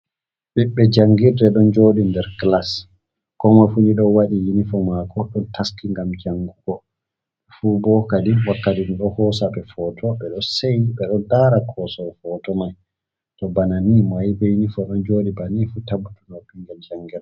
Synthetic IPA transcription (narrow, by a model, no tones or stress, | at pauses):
ɓiɓːɛd͡ʒaŋɡiɾdɛɗɔnd͡ʒoːɗindɛɾɡlas | kɔmafuniɗɔwaɗijinifɔmakɔɗɔntaskiŋɡamd͡ʒaŋɡuɡɔ | fubɔkadiwakːatinɗɔhɔsaɓɛfɔtʰɔɓɛɗɔseniɓɛɗɔndaɾakʰɔsɔfɔtɔmaj | tɔbananimajbɛjinifɔɗɔnd͡ʒoːɗibanifutabutunabiŋɡɛld͡ʒaŋɡiɾɛ